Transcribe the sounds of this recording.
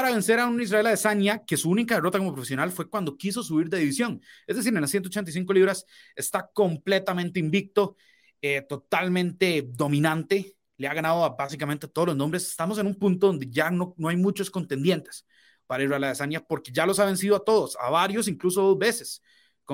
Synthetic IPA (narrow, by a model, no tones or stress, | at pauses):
aɾaβense̞ɾaunizraelaðesanjake̞suunikaðero̞t̪akomopɾofesjo̞nalfwe̞kwand̪o̞kiso̞s̬uβiɾd̪eðiβisjo̞ŋezd̪esiɾenlasjent̪ot͡ʃent̪ajs̬iŋk̬o̞liβɾasest̪akomplet̪amẽnt̪eimbik̚t̪o | et̪ot̪almẽnt̪ed̪o̞mĩnãnt̪e | leaɣanaðoabasikament̪et̪oð̞oloznombɾese̥st̪amos̬e̞numpunt̪oðo̞nd̪eʝanonoajmut͡ʃosko̞nt̪end̪je̞nt̪e̥s | paɾaizraelaðesanjapo̞ɾke̞ʝalo̞saβe̞nsiðoat̪o̞ð̞osa̰βaɾjo̞s̬iŋkluso̞ðozbe̞ses | ko